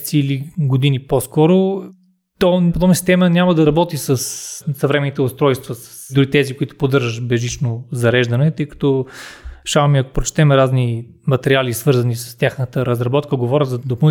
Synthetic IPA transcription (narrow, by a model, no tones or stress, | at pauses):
t̪siːliɡod̪iniposkɔɾʊ | t̪ɔpod̪ɔbnəsist̪ɛmənʲamɐd̪ɐɾɐbɔt̪isəssɐvɾɛmɛnit̪ɛʊst̪ɾɔjst̪vəsə̥sd̪uɾit̪ɛzikʊit̪ʊ̥pod̪ɤɾʒəʃbɛʒit͡ʃnozɐɾɛʒd̪ɐnɛt̪ɤjkɐ̥t̪ɔ | ʃavɐmiɐkʊ̥pɾot͡ʃt̪ɛmɛɾazni | mɐt̪ɛɾialisvɤɾzɐnisə̥st̪ʲjaxnət̪əɾɐzɾɐbɔt̪kəɡovɔɾʲəzɐd̪opɐn